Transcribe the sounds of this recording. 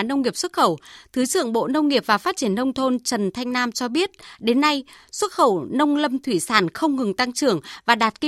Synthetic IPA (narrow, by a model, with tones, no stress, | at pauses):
nə˧wŋ͡mŋi˨˩əp̚swə˦˥t̚xə˧˩wt̪ʰɨ˨˦zɨ̰˧˨əŋɓo̰˧˨nə˧wŋ͡mŋi˨˩əp̚vaː˨˩faː˦˥t̚t͡ɕi˧˩ənːə˧wŋ͡mt̪ʰo˧nt͡ɕə˨˩nt̪ʰa˧jŋ̟naː˧mt͡ɕɔ˧ɓi˦˥ət̚ɗe˨˦nːa˧jswə˦˥t̚xə˧˩wnə˧wŋ͡mlə˧mt̪ʰwi˧˩saː˧˩nxə˧wŋ͡mŋɨ˨˩ŋt̪a˧ŋt͡ɕɨ˧˩əŋvaː˨˩ɗaː˨˩t̚ki˧